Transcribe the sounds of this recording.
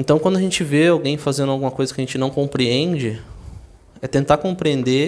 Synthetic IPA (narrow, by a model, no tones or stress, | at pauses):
ẽt̪ɐ̃w̃kwɐ̃nd̪ʊaʒẽnt͡ʃɪveawɡẽj̃fazẽnd̪ʊawɡũmɐkojzɐkɪɐʒẽnt͡ʃɪnɐ̃w̃kõmpɾiẽnd͡ʒɪ | ɛt̪ẽnt̪aɾkõmpɾiẽnd̪e